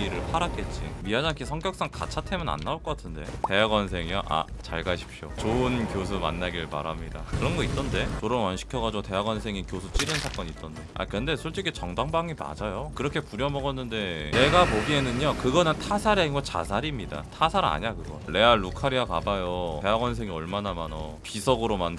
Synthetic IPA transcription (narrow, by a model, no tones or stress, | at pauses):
ɾɯɭpʰaɾak͈et̚t͡ɕ͈ḭmiad͡ʑaŋkʰisʰʌŋkjʌk̚s͈aŋka̰t͡ɕʰatʰemjʌna̰nːaoɭk͈ʌk͈atʰɯnde̞̰te̞ɦaɡwans̬ʰe̞ŋiaʔa̰t͡ɕa̰ɭɡaɕʰi̥p̚ʰɕ͈ot͡ɕoɯnkjos̬ʰuma̰nːaɡiɾɯɭma̰ɾɦamɲida̰kɯɾʌnɡʌit͈̚ʌnde̞t͡ɕoɾʌnwanɕʰi̥kʰjʌɡad͡ʑiɡote̞ɦaɡwansʰe̞ŋinkjosʰut͡ɕ͈iɾɯnsʰak͈ʌɲit͈ʌndea̰kɯɯnde̞sʰoɭt͡ɕ͈ikʰet͡ɕʌŋdaŋbaŋima̰d͡ʑajokɯɾʌkʰe̞puɾjʌmʌɡʌnːɯnde̞ne̞ɡapoɡie̞nɯɲokɯɡʌnɯntʰasʰaɾainɡʌt͡ɕa̰sʰaɾimɲida̰tʰasʰaɾa̰ɲakɯɡʌle̞aɭukʰaɾiakabajote̞ɦaɡwʌns̬ʰe̞ŋiʌɭmanamanʌ | pisʰʌɡɯɾomand